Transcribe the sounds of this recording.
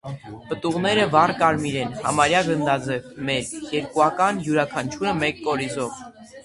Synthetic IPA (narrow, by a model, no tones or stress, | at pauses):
pət̪uʁnɛɾəvɑrkɑɾmiɾɛnhɑ̰mɑɾjɑɡənd̪ɑd͡zɛvmɛɾjɛɾkuɑkɑnjuɾɑkʰɑnt͡ʃʰuɾəmɛkːɔɾizɔv